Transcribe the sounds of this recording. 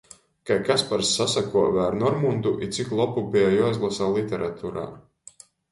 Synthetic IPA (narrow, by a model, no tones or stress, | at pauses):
kajkaspaɾsːasakuɔvæːɾnɔɾmund̪uʔit̪siklˠɔpubijajɔːizlˠasaːlˠit̪ʲɛɾʔat̪ʰuːɾa̰ː